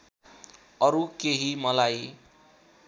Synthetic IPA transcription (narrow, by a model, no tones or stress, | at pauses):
ʌɾukeɦimʌlaj